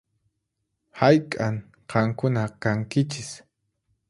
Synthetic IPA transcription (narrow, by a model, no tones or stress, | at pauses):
hajkʼaŋ | qʰɑmkʊnakaŋkɪt͡ʃɪs